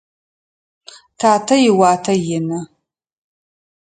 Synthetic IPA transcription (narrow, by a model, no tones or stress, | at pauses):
tʰaːtʰɐjɪwaːtʰɐjɪnɐ